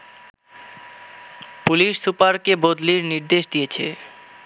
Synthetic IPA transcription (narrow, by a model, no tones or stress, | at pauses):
puliʃsupaɾkebod̪liɾniɾd̪eʃd̪ijet͡ɕʰḛ